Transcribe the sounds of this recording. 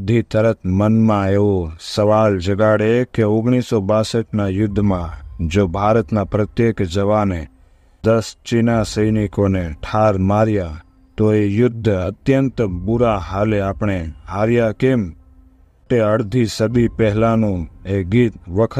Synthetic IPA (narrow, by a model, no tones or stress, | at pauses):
d̪ʱit̪əɾət̪mənmãeʋosəʋald͡ʒəɡaɽekeoɡɳ̃isobasəʈnajʊd̪ʱːmãd͡ʒobʱaːɾət̪napɾət̪jekd͡ʒəʋane | d̪əst͡ʃinasəjnikoneʈʰaɾmaɾja | t̪oejʊd̪ʱːət̪jənt̪buɾaɦaleapɳ̃eaːɾjakem | ʈeəɽd̪ʱisəd̪ipɛɦlanũeɡit̪ʋəkʰə